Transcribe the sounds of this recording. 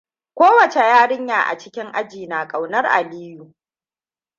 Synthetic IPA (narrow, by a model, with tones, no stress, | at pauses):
kʷoː˦wɐ˨t͡ʃe˨jaː˦ɽɪ˦ɲjaː˨ʔa̰˨t͡ʃɪ˦kʲɪ˦ŋʔa˦d͡ʒiː˨naː˨kʼa˨wnɐ˦rʔa̰˨liː˦ju˨